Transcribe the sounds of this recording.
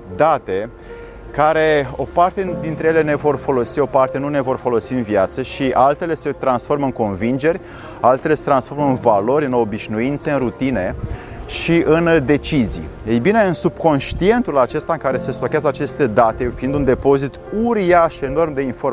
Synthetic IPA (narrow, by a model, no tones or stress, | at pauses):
d̪at̪e̞ | kaɾe̞o̞part̪e̞d̪int̪ɾe̞jele̞ne̞vo̞rfo̞lo̞sio̞part̪e̞nune̞vo̞rfo̞lo̞siɨnviat̪səʃiʔalt̪e̞le̞se̞t̪ɾansfo̞rmɨŋko̞nvind͡ʒe̞rʲ | alt̪e̞le̞set̪ɾansfo̞rmɨnvalo̞ɾʲɨno̞biʃnuint̪seɨnrut̪ine̞ | ʃiʔɨnd̪e̞t͡ʃizḭ | ejbine̞ɨnsub̥̚ko̞nʃt̪ie̞nt̪ulat͡ʃe̞st̪aɨŋkaɾe̞se̞st̪okʲeazəat͡ʃe̞st̪e̞d̪at̪e̞fiind̪und̪e̞po̞zit̪uɾiaʃeno̞rmd̪e̞info̞r